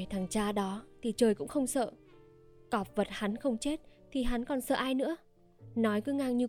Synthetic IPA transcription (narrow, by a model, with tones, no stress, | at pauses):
jt̪ʰaː˨˩ŋt͡ɕaː˧ɗɔ˨˦t̪ʰi˨˩t͡ɕəː˨˩jkʊ̰˧˥ŋ͡mxə˧wŋ͡msə̰ː˧˨ | kɔ˨˩p̚və˨˩t̚ha˨˦nxə˧wŋ͡mt͡ɕe˦˥t̚t̪ʰi˨˩ɦa˨˦nkɔ˨˩nsə̰ː˧˨ʔaː˧jnɨ̰˧˥ə | nɔ˨˦jkɨ˨˦ŋaː˧ŋɲi˧